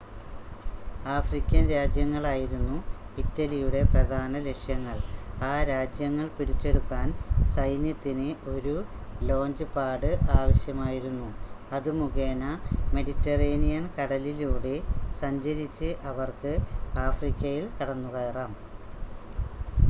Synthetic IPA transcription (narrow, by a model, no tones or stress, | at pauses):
aːfrikʲːɐnɾjaːd͡ʑjɐŋːɐɭaːjiɾunːuitːɐlijuɽe̞prɐd̪ʱaːnɐle̞kʂjɐŋːɐɭaːɾaːd͡ʑjɐŋːɐɭpiɽit͡ɕːe̞ɽukːaːnsɐjnjɐt̪ːinɨʔo̞ɾu | lo̞ːnd͡ʑɨpaːɽɨʔaːʋɐɕjɐmaːjiɾunːuɐðɨmuɣeːnɐme̞ɽitːɐreːnijɐnkɐɽɐliluːɽe̞sɐɲd͡ʑɐɾit͡ɕːɨʔɐʋɐrkɨaːfrikʲːɐjilkɐɽɐnːuɣɐɐraːm